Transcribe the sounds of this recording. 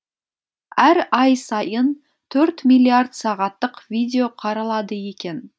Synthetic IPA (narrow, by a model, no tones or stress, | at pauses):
æɾɑjsɑjən | t̪ʰɵɾt̪mʲilʲːiaɾd̪sɑʁɑt̪ːəqvijd̪ʲe̞o̞qʰɑɾɑlˠɑd̪əje̞kʲe̞n